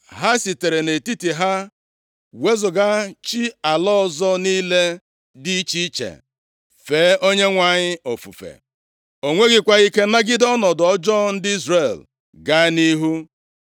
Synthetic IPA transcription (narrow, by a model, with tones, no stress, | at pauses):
ɦa˦si˨te˨ɾe˨ne˨ti˦ti˨ɦa˦ | we˦zʊ˨ɡa˦t͡ʃi˦a˨lɔ˦˨zɔ˦niː˦le˦ | di˦t͡ʃi˦i˦t͡ʃḛ˨ | feː˨˦ʔo˦ɲe˦ŋʷa˨ɲɪ˦o˨fṵ˨fḛ˨ | o˨ŋʷe˦ɡɪ˦kʷa˦i˦ke˦na˦ɡɪ˦dɔ˦nɔ˨dɔ˦d͡ʒɔ˦n̩˦dɪ˦i˦zɾe˨l | ɡa˦ni˦ɦu˦